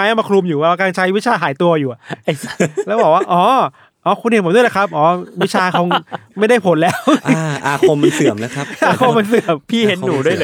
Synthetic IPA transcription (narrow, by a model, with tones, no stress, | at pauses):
aː˧˦jʔa˧ma˧kʰɾlu˧mjuː˨˩wɛː˧˦waː˥˧˩kaː˧nt͡ɕʰa˦˥jwi˦˥t̚t͡ɕʰaː˧ɦaː˩˦jt̪u˧ɐjuː˨˩a˨˩˧ | lɛː˦˥wbɔː˨˩waː˥˩˥ʔɔː˨˦ | ʔɔː˨˧˩kʰu˧ni˨˩pd̪la˧˩kʰa˦˥p̚ʔɔː˨˦wi˦˥t͡ɕʰaː˧kʰɔ˧˦ŋma˥˩jda˥˩jpʰo˨˩˦nlɛː˦˥wʔʔaː˧kʰo˧mːa˧nsɯ˨˩˦mna˦˥kʰɾa˦ʔaː˧kʰo˧mmːa˧nsɯ˨˩ə˦əmpʰiː˥˩he˨˩˦nːuː˨˩˦du˥˩ə˨jlː